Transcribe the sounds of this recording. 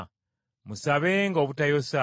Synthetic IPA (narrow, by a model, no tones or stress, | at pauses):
musaβeŋɡo̞βutajo̞sa